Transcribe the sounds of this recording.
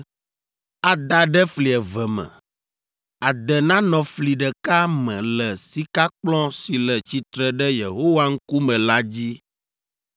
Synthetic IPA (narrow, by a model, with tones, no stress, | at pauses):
a˨d̪a˦ɖɛ˦fli˨ɛ˨vɛ˨mɛ̰̃˨ | a˨d̪ɛ˨nã˦nɔ̃˨fli˨ɖɛ˨ka˦mɛ̃˨lɛ˨si˦ka˦k͡plɔ̃˦si˨lɛ˨t͡ɕi˨t̪ɾɛ˨ɖɛ˦je˨ɦo˦wa˦ŋ̩˦ku˦mɛ̃˨la˦d͡ʑi˦